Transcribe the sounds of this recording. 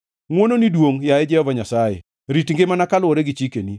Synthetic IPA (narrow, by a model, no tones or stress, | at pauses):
ŋwononidwoŋjaɛd͡ʒɛhɔvaɲasajḛ | ɾitŋɡemanakalwoɾeɡit͡ʃikeni